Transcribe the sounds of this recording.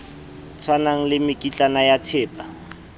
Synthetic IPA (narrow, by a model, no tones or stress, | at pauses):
t͡sʰwanaŋ̩lɪmɪkʼit͡ɬʼanajatʰeːpʼa